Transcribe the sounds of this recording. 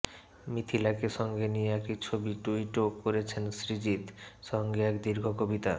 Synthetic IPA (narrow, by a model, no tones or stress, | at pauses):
mit̪ʰilakeʃɔŋɡenijeɛk̚ʈit͡ɕʰobiʈuiʈokːoɾet͡ɕʰensɾid͡ʑit̪ʃɔŋɡeɛkd̪iɾɡʱokobit̪a̰